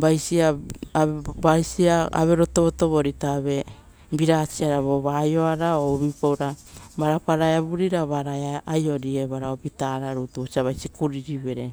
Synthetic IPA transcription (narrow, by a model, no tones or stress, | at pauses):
bajsia | bajsiaa̰βeɾo̞toβoto̞βo̞ɾitaβe̞ | biɾat͡ʃiaɾaβoβajo̞aɾaoβipowɾabaɾapaɾaeaβuɾiɾaβaɾaeaajo̞ɾieβaɾaobitaɾaɾutuot͡ʃiaβajsikuɾiɾiβe̞ɾe